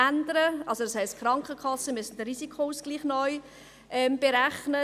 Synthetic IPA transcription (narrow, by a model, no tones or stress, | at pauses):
ændəɾəʔɑlsodɑshæɪstkχɾɑŋkχəkʰɑsːəmysɪnd̥əɾisikʰouskɡ̥liːχnɔʏ | ʔɛmb̥eɾæχnə